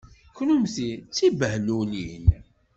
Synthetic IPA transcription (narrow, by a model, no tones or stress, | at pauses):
kːnumθit͡sːibəhlunin